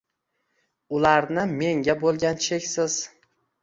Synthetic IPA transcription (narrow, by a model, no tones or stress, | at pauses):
ʊlaɾnɪme̞ŋɡʲabolˠɡʲant͡ʃʰekʲsɪz̥